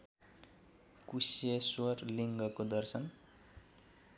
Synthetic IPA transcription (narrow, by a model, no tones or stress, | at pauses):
kusijeswʌrliŋɡʌkod̪ʌrsʌn